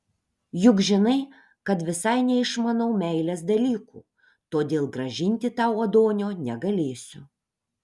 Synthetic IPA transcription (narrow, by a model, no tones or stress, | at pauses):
jʊkʒʲɪnɐɪ | kɐt̪ʋʲɪsɐɪnʲɛɪʃmɐnɐʊmʲɛɪlʲɛsd̪ɐlʲiːkṵː | t̪oːd̪ʲeːlˠɡɾɐʒʲɪnʲt̪ʲɪt̪ɑˑʊɐd̪oːnʲoːnʲɛɡɐlʲeːsʲʊ